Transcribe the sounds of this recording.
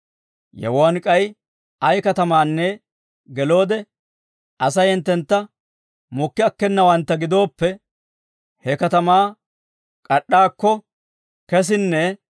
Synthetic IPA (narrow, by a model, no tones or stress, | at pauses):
jɛ̰wɔɐnkʼɐj | ɐjkɐt̪ɐmaːnːɛ | ɡɛlo̞ːd̪ɛ | ʔɐsɐjɛnt̪ːɛnt̪ːɐ | mɔkːɪɐkːɛnːɐwɐnt̪ːɐɡɪd̪o̞ːpːɛ | hɛkɐt̪ɐmaː | kʼɐɗːaːkːɔ | kɛs̬ɪnːɛ